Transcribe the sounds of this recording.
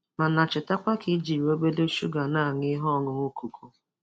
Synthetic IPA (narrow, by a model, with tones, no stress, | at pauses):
ma˨na˨t͡ʃɪ˨ta˦kʷa˦ki˨˦d͡ʒi˨ɾi˨o˦be˦de˦ʃṵ˦ɡa˨na˦˨ŋɪ˦ɦɔ˦˨ŋʊ˨ŋʊ˦kʰu˨kʰu˦